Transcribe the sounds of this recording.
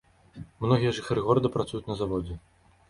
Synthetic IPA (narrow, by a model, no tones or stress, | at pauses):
mnɔɣʲijɛʐɨxaɾɨɣɔɾɐd̪ɐpɾat̪sujut͡sʲnɐzavɔd͡zʲɛ